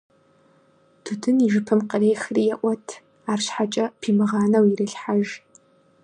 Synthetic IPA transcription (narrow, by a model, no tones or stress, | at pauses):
tʰutʰɨniʒɪpʰɨmqəreːxriːjɛʔʷɔtʰ | aːrɕħat͡ʃʼɐpʰiːmɨʁɑːnɐwirɨɬħaʒ